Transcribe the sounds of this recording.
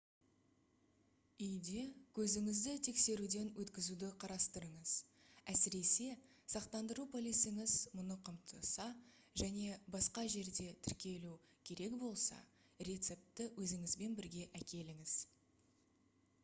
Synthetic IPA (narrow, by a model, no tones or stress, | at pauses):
ʏjd̪e̞kʲʰɵzɪŋɪzd̪ɪt̪ʰe̞kse̞ɾud̪e̞nwɵt̪kʲɪzud̪ɪqʰɑɾɑst̪əɾəɴəz̥ | æsɪɾe̞se̞ | sɑqt̪ɑnd̪əɾupʰolʲesɪŋɪzmʊnəqʰəmt̪ʰəsɑ | ʒæne̞bɑsqɑʒe̞ɾd̪e̞t̪ʰɪɾkʲe̞lukʲʰe̞ɾe̞kbo̞lˠsɑ̰ | rʲet̪se̞p̚t̪ɪwɵzɪŋɪzbe̞nbɪɾɡʲe̞ʔækʲe̞lɪŋɪz̥